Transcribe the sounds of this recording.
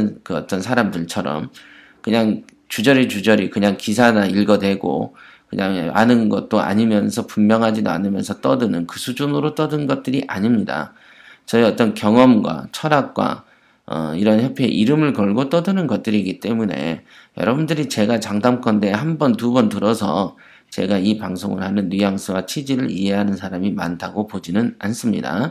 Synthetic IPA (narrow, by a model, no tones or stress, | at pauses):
nkɯʌt͈ʌnsʰaɾamdɯɭt͡ɕʰʌɾʌ̰m | kɯɲaŋ | t͡ɕud͡ʑʌɾit͡ɕud͡ʑʌɾikɯɲaŋkis̬ʰanaiɭɡʌdwe̞ɡo̰ | kɯɲaŋanɯnɡʌt̚t͈oa̰ɲimjʌnsʰʌpummjʌŋɦad͡ʑidoa̰nɯmjʌnsʰʌt͈ʌdɯnɯnkɯsʰud͡ʑunɯɾot͈ʌdɯnɡʌt̚t͈ɯɾiʔaɲimɲida̰ | t͡ɕʌeʌt͈ʌnkjʌŋʌmɡwa̰t͡ɕʰʌɾak̚k͈wa̰ | ʌ̰iɾʌnçjʌpʰḛʔiɾɯmɯɭkʌɭɡot͈ʌdɯnɯnɡʌt̚t͈ɯɾiːɡit͈e̞mune̞̰jʌɾʌbundɯɾit͡ɕe̞ɡat͡ɕaŋdamk͈ʌnde̞hanbʌntubʌntɯɾʌsʰʌ̰ | t͡ɕe̞ɡaipaŋsʰoŋɯɭhanɯnːijaŋsʰɯwat͡ɕʰid͡ʑiɾɯɾḭɦe̞ɦanɯnsʰaɾamima̰ntʰaɡopod͡ʑinɯnans͈ɯmɲḭda̰